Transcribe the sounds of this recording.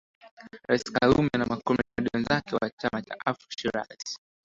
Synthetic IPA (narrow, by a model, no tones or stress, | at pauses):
ɾaiskalumɛnamakɔmbɛmaɗiwanzakɛwat͡ʃamat͡ʃa̰ʔafi̥ʃiɾa̰isi̥